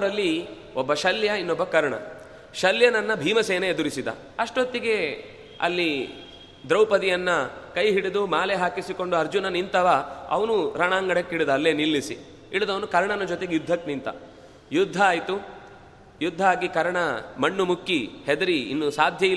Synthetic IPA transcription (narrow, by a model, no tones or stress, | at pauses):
ɾɐlːi | ɔbːɐʃɐljɐinːɔbːɐkɐɾɐɳɐ̰ | ʃɐljɐnɐnːɐbʱiːmɐseːnɐed̪uɾisid̪ɐ̰ | ɐʂʈot̪ːiɡe̞ | ɐ̰lːi | d̪ɾɐwpɐd̪ijɐnːɐkɐjɦiɽid̪umaːleɦaːkisiko̞ɳɖuɐɾd͡ʒunɐnint̪ɐʋaɐ̰ʋɐnuɾaɳaːŋɡɐɽɐkːiɽid̪ɐːlːenilːisḭ | iɽud̪ɐʋɐnukɐɾɐɳɐnɐd͡ʒot̪eɡejud̪ʱːɐknint̪ɐ̰ | jud̪ʱːɐaːjt̪u | jud̪ʱːaːɡikɐɾɐɳɐmɐɳːumukːihed̪ɐɾiḭnːusaːd̪ʱjɐi